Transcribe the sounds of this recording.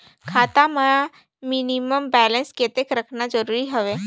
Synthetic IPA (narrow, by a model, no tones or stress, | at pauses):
kʰaːt̪aməja | miniməmbɛːlə̃nskeːt̪ekɾəkʰnad͡ʒəɾuːɾiɦəʋeː